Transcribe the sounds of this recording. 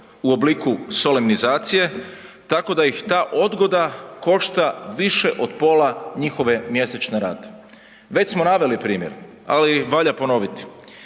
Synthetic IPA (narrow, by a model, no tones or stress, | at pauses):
uo̞bliːkuso̞limnizaːt̪sije̞t̪ako̞d̪ajixt̪aːʔo̞d̪ɡo̞d̪ako̞ʃt̪aʋiʃe̞ʔo̞d̪po̞ːlaɲixo̞ʋe̞mje̞set͡ʃneɾa̰ːt̪e̥ | ʋe̞t͡ɕsmo̞naʋe̞lipɾiːmjḛɾ | a̰liʋaʎapo̞no̞ʋit̪i̥